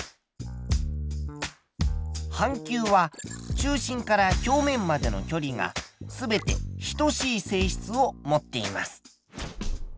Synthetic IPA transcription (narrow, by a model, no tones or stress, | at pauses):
hãŋkʲɨːβat͡ɕɨːɕĩŋkaɾakʲo̞ːmẽ̞mːad̪e̞no̞̰kʲo̞ɾʲiŋa̰sɨbe̞t̪e̞̰çi̥t̪o̞ɕiːse̞ːɕi̥t͡sɨo̞mo̞t̪ːe̞imasɨ̥